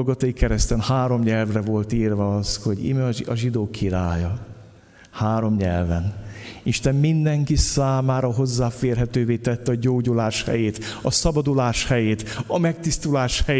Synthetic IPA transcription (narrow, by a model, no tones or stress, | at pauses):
lɡɒt̪ɒjikɛɾɛst̪ɛnhaːɾo̞mɲɛlvrɛvo̞lt̪iːrvɛɒsho̞ɟḭmɛɒʒid̪oːkʰiɾaːjɒ | haːɾo̞mɲɛ̰lvɛniʃt̪ɛmmind̪ɛŋkisaːmaːɾɒɦo̞zːaːfeːrɦɛt̪øːveːt̪ɛt̪ːɛɒɟoːɟulaːʃhɛ̰jeːt̪ɒsɒbɒd̪ulaːʃhɛjeːt̪ɒmɛk̚t̪ist̪ulaːʃhɛj